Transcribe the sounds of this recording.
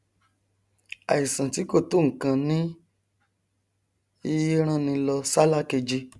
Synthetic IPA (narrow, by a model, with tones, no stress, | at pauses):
a̰˨i˨sã˨ti˨˦ko˦˨to˦˨ŋ̩˨kã˧nĩ˦ | i˧ji˦ɾ̃ã˦˨nĩ˧lɔ˧sa˦la˦ke˧d͡ʒi˧